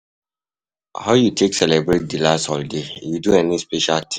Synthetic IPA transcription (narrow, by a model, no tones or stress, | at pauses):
haʊjutʰeksɛlɛbɹet̚dilastɔldejuduɛnispɛʃaltʰĩ